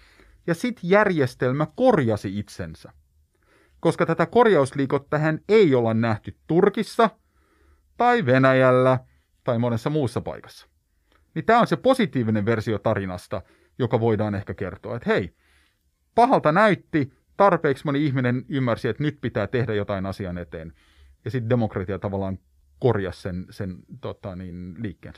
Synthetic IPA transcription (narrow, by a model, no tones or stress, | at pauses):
jɑsit̪jærjest̪elmækorjɑsiit̪sensæ | ko̞skɑt̪æt̪æko̞rjɑusliːkot̪ːæɦæneiolennæht̪yt̪t̪urkisːɑ | t̪ɑiʋenæjælːæ | t̪ɑimonesːɑmuːsːɑpɑ̰ikɑ̥sːɑ̥ | nit̪æːonsepo̞sit̪iːʋineʋʋe̞rsiot̪ɑɾinɑst̪ɑ̰ | jokɑʋoidɑːnehkækert̪oɑ̰et̪hei | pɑhɑlt̪ɑnæyt̪ːi | t̪ɑrpeːksmoniihminenymːærsiet̪nyt̪pit̪æːt̪ehdæjot̪ɑinɑsiɑnet̪ḛːn | jɑsit̪demokrɑt̪iɑt̪ɑʋɑlːˑɑːŋ | korjɑ̰ssensent̪ot̪ɑniːnliːkːḛːns